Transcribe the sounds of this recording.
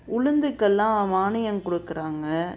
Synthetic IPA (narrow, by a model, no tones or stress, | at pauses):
ʊɻɯnd̪ɯkːɛlːãːmaːɳɪjɐŋkɔɽɯkːɪɾaːŋɡɐ